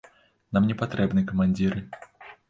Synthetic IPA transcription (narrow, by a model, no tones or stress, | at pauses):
namnʲɛpat̪ɾɛbnɨkɐmanʲd͡zʲiɾɨ